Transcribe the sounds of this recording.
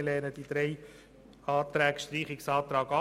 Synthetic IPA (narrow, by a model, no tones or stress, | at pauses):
lɛːɾnəd̥id̪ɾɛɪ | ɑːt̪ɾæːkʃtɾiːχɪksɑːt̪ɾɑːɡɑ